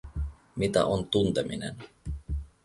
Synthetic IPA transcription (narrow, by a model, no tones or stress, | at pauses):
mit̪æ̰ʔont̪unt̪eminḛn